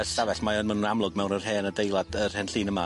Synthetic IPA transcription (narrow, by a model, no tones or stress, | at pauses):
əsavɛɬmajɔnmanunamlˠʊɡmɛwnərhɛːnədejlˠad̥ər̥hɛnɬiːnəma̰